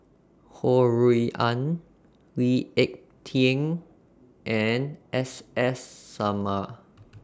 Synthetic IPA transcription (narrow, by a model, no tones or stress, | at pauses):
hɔɹiiʔãn | wiɛk̚ | tʰĩŋ | ʔɛnʔɛsɛsːama